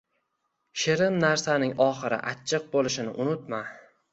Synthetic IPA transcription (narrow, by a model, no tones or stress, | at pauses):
ʃɪɾɪmnaɾsanɪŋʔɒχɨɾɪ̰ʔat͡ʃʰːɨq̚bolˠɪʃɪnɪ̰ʔʊnʊt̪ma